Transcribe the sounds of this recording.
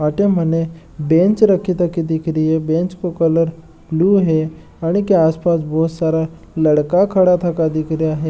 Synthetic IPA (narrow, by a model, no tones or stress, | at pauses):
aʈem̤əne | bẽnt͡ʃɾəkʰit̪əkid̪ikɾiɦebẽnt͡ʃkokələɾ | bluɦe | aɽ̃ikeaːspasboːt̪saɾa | ləɽkakʰəɽat̪ʰakad̪ikɾjaɦe